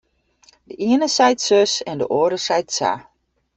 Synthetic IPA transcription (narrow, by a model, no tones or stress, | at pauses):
dəʔiənəsɛjtsøsɛndəʔoədəsɛjtsa̰